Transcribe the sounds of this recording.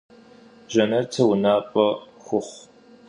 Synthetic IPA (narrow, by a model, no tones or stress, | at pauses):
ʒɐnɐrtʰɐwʊnaːpʼɐ | xʷʊχʷ